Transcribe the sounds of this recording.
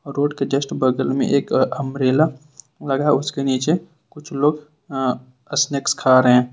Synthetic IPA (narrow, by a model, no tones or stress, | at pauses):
ɔːɾːoːɖked͡ʒɐsʈbəɡəlmḛ̃ʔeːkɐmɾeːla | lɐɡaʊskeniːt͡ʃe | kʊt͡ʃʰloːɡ | əsnekskʰaːɾɦɛ̃ː